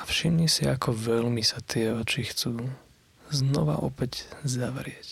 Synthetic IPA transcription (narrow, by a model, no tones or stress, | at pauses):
afʃimɲisiakɔʋɛlmisat̪ɪɛɔt͡ʃixt͡suː | znɔʋa̰ʔɔpɛczaʋɾɪɛc